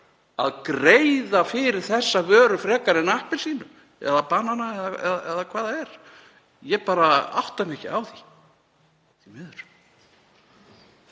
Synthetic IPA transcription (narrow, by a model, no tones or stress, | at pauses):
a̰ðkɾejðafɪɾɪɾ̥θɛsːavœːɾʏfɾɛːkaɾɪnahpɪ̥siːnʏ | ɛ̰ðapaːnːanaɛðaɛ̰ðaɛðakʰv̥aːðaɛɾ̥ | jɛpaːɾaa̰wht̪amɛhcɪ̰awθi | θimɪðʏɾ̥